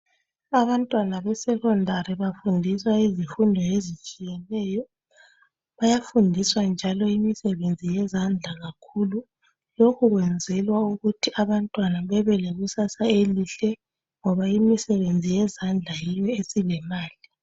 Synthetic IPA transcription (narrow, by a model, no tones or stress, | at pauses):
aβantʼwanaβɛsɛkɔndʱaɾiβafundʱiswaizifundʱɔezit͡ʃʼijɛnɛːjɔ | βajafundʱiswand͡ʒʱalɔimisɛβend͡zʱijɛzand͡ɮʱaɣakʰulu | lokʰuɣwɛnd͡zʱɛlwauɣutʰiaβantʼwanaβɛβɛleɣusasaeliɬɛ | ŋɔβaimisɛβend͡zʱijɛzand͡ɮʱajijɔesilɛmaːli